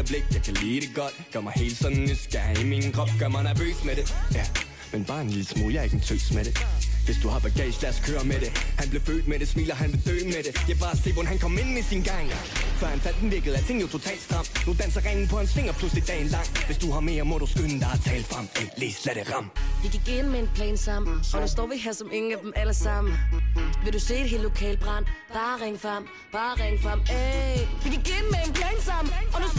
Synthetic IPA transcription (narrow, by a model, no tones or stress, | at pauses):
bleɡ̥̚jɑ̈kʰæliːɾ̥eɡ̥ɒ̽d̥̚ɡ̥ɶɐmɑ̈ɪhe̝̰ːld̥sɒ̽nn̩esɡ̥æmiŋn̩kʰʁɒb̥ɡ̥ɶɐmhænæbø̰ːsmeɾejæ | menb̥ɑ̈ːenlilsmṵːjɑ̈e̝ɡ̥n̩t͡sʰø̰ːsmeɾ̥eʋe̝sd̥uhɑ̈b̥æɡ̥ɛ̰ːɕlæskʰøːɐmeɾehænb̥le̝fø̰ːld̥meɾ̥e̝smilɐɦænb̥le̝d̥øːnmeɾejɑ̈b̥ɑ̈ːse̝̰ːʋɒnɦænkʰɒ̽me̝nmesinɡ̥ɑ̈ŋ̰fɒhænfæl̰d̥en̩ʋiɐɡ̥əð̞̩ˠæt͡sʰe̝ŋ̩jot͡sʰo̝t͡sʰɛ̰ːld̥std̥ʁɑ̈m̰nud̥ænsɐʁɛŋn̩pʰɒ̽hænsʋeŋ̰ɐpʰluslid̥ɛ̰ːn̩lɑ̈ŋ̰ʋe̝sd̥uhɑ̈me̝̰ːɐmɒɾ̥usɡ̥ønn̩d̥ɑ̈ɪt͡sʰɛ̰ːləfʁɑ̈m̰ele̝̰ːslæɾəʁɑ̈m̰ʋiɡ̥iɡ̥enmeenpʰlɛ̰ːnsɑ̈m̰ɒdusd̥ɒ̰ːʋiɦæɐsɒ̽me̝ŋn̩æd̥emæləsɑ̈m̰n̩ʋe̝ɾuse̝̰ːdeɦe̝ːlːo̝kʰɛ̰ːləb̥ʁɑn̰b̥ɑ̈ːʁeŋəfʁɑ̈m̰ | b̥ɑ̈ːʁɛŋəfʁɑm | ʋiɡiɡ̥enəmeenpʰlɛːnsɑ̈m̰̩ɒd̥u